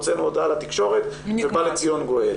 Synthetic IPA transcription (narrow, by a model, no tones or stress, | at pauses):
t͡senuodalat̪ikʃo̞ʁet̪vebalet͡sijo̞nɡo̞e